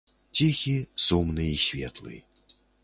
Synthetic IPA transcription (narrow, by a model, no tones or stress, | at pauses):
t͡sʲixʲisumnɨisʲvʲɛ̰t̪lˠɨ̰